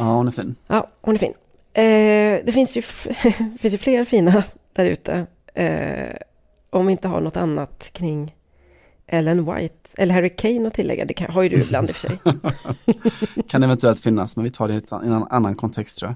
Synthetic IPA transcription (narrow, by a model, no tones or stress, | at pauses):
aːʊnæfḭːnjʔɑːʊnɛɾfḭːn | d̪ɛfɪnsjɵ | fɪns̬jɵfleːɾfiːnad̪̥æɾʉ̟̰ːt̪ʰə̰ | ʔɔmvɪɪnt̪əɦa̰ɳɔt̪ːanːat̪kʰɾɪŋː | ʔɛləɛnwa̰jt̪ɛ̰lːəɾɦæɾɪkʰɛjnɔt̪ʰɪlːɛ̰ɡːa̰d̪ɛkɦajd̪ɵɪbla̰nd̪ɪfœ̥ʂɛ̰j | kʰanɛvɛnt̪ɵɛlt̪fɪnːasmɛnvɪt̪ʰɑːɖɛt̪ɪnɔna̰nːankʰɔnt̪ʰɛkst̪ʰɾuːja